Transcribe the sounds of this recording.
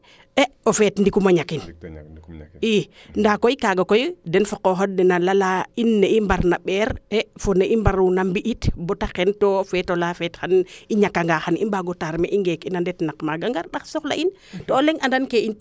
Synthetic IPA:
ɛofɛtndikumaɲakin | i | ndakoikaɡakojdɛnfokoɦodnɛnalalainːeimbaɾnaɓɛːɾɛfoneʔimbaɾunambiʔitbɔtakɛntofɛtolafɛtxaniɲakːaŋɡaxanḭmbaɡotaɾmḛʔiŋɡekinandɛtnakmaɡaŋɡaɾɗaksɔxla̰ʔin | toːleŋandankeint

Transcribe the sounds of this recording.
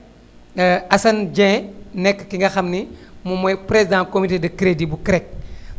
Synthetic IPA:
ɐsɐnd͡ʒɛ̃nɛkːkiŋɡɐxɐmnimumɔjpɾezidãkomitedɐkɾedibukɾɛk̚

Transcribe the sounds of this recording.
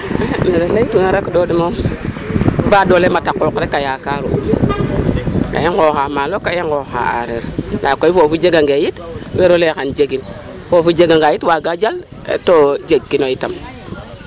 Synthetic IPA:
neɾeleitunaɾakdodimo | badolematakːokɾekajakaɾṵ | ka̰jeŋɡoxamalokajeŋɡoxa̰a̰ɾeɾlʔa̰koifofud͡ʒeɡaŋɡejitweɾolekand͡ʒeɡin | fofud͡ʒeɡaŋɡajitwaɡad͡ʒal | ḛtod͡ʒeɡːinoitam

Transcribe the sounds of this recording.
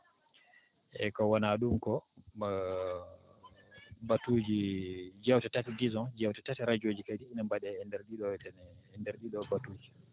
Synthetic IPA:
ʔɛ̰kɔwanaɗumkɔ | batud͡ʒid͡ʒɛwtatatɛdizɔ̃d͡ʒɛwtatatɛɾad͡ʒoːd͡ʒikajdiːnambaɗɛɛndɛɾɗiɗɔtɛnɛndɛɾɗiɗɔbatuːd͡ʒi

